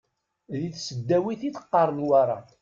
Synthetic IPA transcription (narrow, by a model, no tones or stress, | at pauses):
ðiθsəd̪ːæwiθit͡sə̥qːɑɾˤnwaɾˤɑ̰